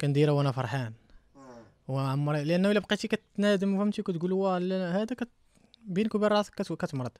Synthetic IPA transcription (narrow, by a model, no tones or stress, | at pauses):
kænd̪iːɾæwʔænæfɑɾˤħaːn | wʕamːɑɾˤlʔænːæwlːæbqit̪ikæt̪ːnæːd̪ɪmwhæmt̪ikæt̪ɡulwælæhæːd̪ækæt̪ | biːnkubiɾˤɑsˤkækæt̪mɑɾˤɑd̪